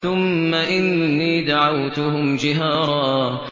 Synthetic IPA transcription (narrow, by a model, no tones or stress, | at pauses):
ʊmːaʔɪnːiːd̪aʕawt̪ʊhʊmd͡ʒɪɦaːɾˤɑː